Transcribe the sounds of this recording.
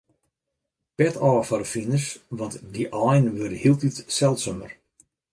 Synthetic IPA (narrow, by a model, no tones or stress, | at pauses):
pɛtʰɔːfɔɾəfinəsʋɔntdiʔɔjnʋørdəhiəlˠtitsɛlˠtsømə̰r